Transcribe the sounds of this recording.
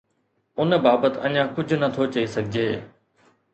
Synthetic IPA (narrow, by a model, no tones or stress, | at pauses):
ʊnbaːbət̪ɐ̰ɲãkʊd͡ʑʱʊnɐt̪ʰot͡ɕɐisɐɡʱɪd͡ʑʱeː